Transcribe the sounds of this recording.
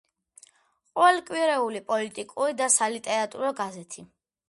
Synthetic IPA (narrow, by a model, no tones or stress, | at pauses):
qʼɔɛlkʼwiɾɛulipʼɔlit̪ʼikʼuɾid̪asalit̪ʼɛɾat̪ʼṵɾɔɡazɛt̪ʰi